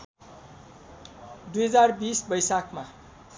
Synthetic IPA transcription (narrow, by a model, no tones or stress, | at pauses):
d̪ujɦʌd͡zarbisbʌjsakʰma